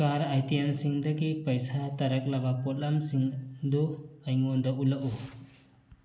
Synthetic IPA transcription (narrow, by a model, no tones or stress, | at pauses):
kaɾajt̪ijansiŋd̪aɡipɐjsat̪ɐɾɐk̚labapɔt̚lamsiŋd̪uajŋond̪aulaʔu